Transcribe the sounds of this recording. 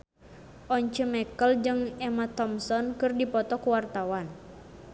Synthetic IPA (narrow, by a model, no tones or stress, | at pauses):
ʔɔɲt͡ʃəmɛkəld͡ʒɨŋɛmat̪ɔmsɔnkɨrdipɔt̪ɔkuwart̪awan